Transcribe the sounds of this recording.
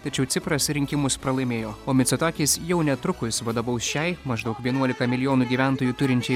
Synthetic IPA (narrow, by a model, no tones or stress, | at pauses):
t̪ɐt͡ʃʲɛʊt̪sʲɪpɾɐsɾʲɪŋʲkʲɪmʊspɾɐlˠɐɪmʲeːjoːoːmʲɪt̪sʲɛt̪ɑːkʲɪsjɛʊnʲɛt̪ɾʊkʊsʋɐd̪ɐbɐʊsʃʲɛɪmɐʒd̪ɐʊkʋʲiɛnuɔlʲɪkɐmʲɪlʲɪjoːnuːɡʲiːʋʲæˑnt̪oːjut̪ʊɾʲɪnʲt͡ʃʲɛɪ